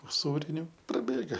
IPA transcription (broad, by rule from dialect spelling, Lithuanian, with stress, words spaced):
ʊˈsuːrʲɪnʲʊ prɐˈbʲeːɡɐ